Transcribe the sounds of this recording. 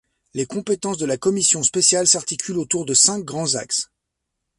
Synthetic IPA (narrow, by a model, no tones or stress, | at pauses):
lekɔ̃pet̪ɑ̃sd̪əlakɔmisjɔ̃spesjalsaʁt̪ikʲylot̪uʁd̪əsɛ̃k̚ɡʁɑ̃za̰ks